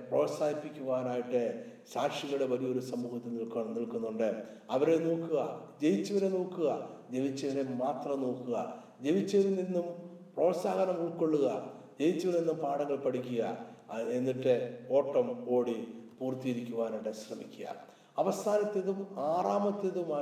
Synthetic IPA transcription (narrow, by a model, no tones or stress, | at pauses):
pro̞ːsaːjipːikʲːuʋaːnaːjiʈːɨɕaːkʂiɣɐɽeʋɐlijɐo̞ɾusɐmːuːhɐt̪ːilniɭkɐniɭkunːuɳɖɨɐʋɐɾenoːkːuɣɐ̰d͡ʑe̞jit͡ɕːɐʋɐɾenoːkːuɣɐd͡ʑe̞ʋit͡ɕːɐʋɐɾemaːt̪rɐnoːkːuɣɐ̰ | d͡ʑe̞ʋit͡ɕːɐʋðuninːumpro̞ːsaːɣɐɾɐmuːkːo̞ɭːuɣɐ | d͡ʑe̞jit͡ɕːɐʋɐlninːumpaːɽɐŋːɐɭpɐɽik̬ʲːuɣɐ̰enːiʈːeo̞ːʈːɐmo̞ːɽipuːrt̪ːijeɾikʲːuʋaːnɐɖeɕrɐmikʲːuɣa̰ | ɐʋɐst̪ʰaːnɐt̪ːe̞ðumaːraːmɐt̪ːe̞ðumaː